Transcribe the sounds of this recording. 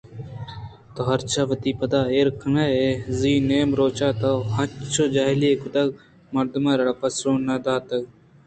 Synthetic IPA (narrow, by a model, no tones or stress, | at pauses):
t̪oɦɐɾt͡ʃʰaʋət̪iːpɐd̪aːeːɾkʰənaeziːneːmɾoːt͡ʃaːt̪ɐhɐt͡ʃʰoːd͡ʒaːɦɪlekʊd̪ɐɡ | mɐɾd̪maːɾɐɽapɐsɾoːnɐd̪aːt̪ɐɡ